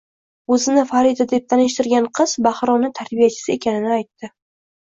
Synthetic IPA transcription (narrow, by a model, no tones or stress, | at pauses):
ɵzɪnɪfaɾid̪ad̪e̞p̚t̪ʰanɪʃt̪ɪɾɡʲanqʰɨz̥baχɾɒnɪt̪ʰaɾbijat͡ʃʰɪ̥sɪe̞kʲʰanɪnɪajt̪ːɪ